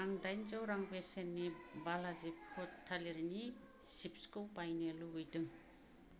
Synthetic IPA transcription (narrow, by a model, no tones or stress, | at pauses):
aŋdajnd͡ʒowɾaŋbesenːibalazippʰutʰːaleɾni | sip̚skulpajneluɦujdɯŋ